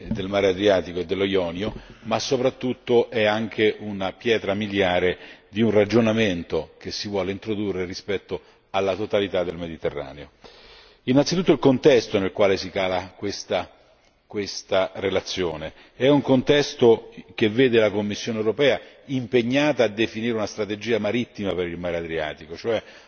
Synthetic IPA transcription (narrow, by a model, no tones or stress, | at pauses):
d̪elmaːɾead̪ɾjaːt̪ikoed̪ːelːojɔːnjomasːopɾat̪ːut̪ːoʔɛaŋk̟ʰeʔunapjɛːt̪ɾamiljaːɾed̪iunrad͡ʒonament̪ok̟esːivwɔːleint̪ɾod̪urːerispɛt̪ːo | alːat̪ot̪alit̪ad̪ːelmed̪it̪erːa̰ːneo | inːantsit̪ut̪ːoilkont̪ɛst̪onelkwaːlesikaːlakwest̪a | kwest̪arelat̪sːjoːne | ɛuŋkont̪ɛst̪ok̟evːeːd̪elakomːisːjoːnewɾopɛːa | impeɲːaːt̪aːd̪ːefiniːɾeunast̪ɾat̪ed͡ʒiːamaɾit̪ːimapeɾilmaːɾead̪ɾia̰ːt̪ikot͡ʃoɛ